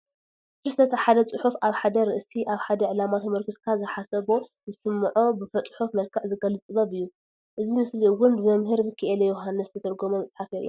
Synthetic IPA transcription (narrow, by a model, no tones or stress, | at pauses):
t̪ɾɨsʰɐt̪ʰɐħad̪ɐt͡sʼɨħufaβħad̪ɐɾɨʔsiʔaβħad̪ɐʕɨlamat̪ʰɐmɐɾkʰɨzkʰazɨħasɐβo̞zɨsɨmːʕobɨfɐt̪ʼħufmɐlkʰɨʕzɨɡɐlɨt͡sʼɨβɐβɨjːu | ʔɨzimɨsliwʊnd̪ɨmɐmɦɨɾbɨkʰːiʔelejoɦanːɨst̪ʰɐt̪ʰɐɾɡomomɐt͡sʼħafeɾɨ̰j